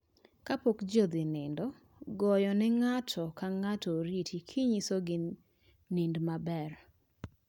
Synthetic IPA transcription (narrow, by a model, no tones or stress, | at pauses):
kapokd͡ʒod̪ɪnɪndɔ | ɡɔjɔnɛŋatʰɔkaŋatɔɾitikʰiɲisoɡɪ | nɪndmabɛr